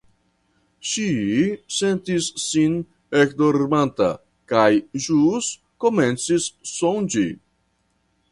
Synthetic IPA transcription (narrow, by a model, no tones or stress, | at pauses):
ʃisent̪isːin | ekd̪oɾmant̪a̰ | kajʒus | koment͡sisːond͡ʒi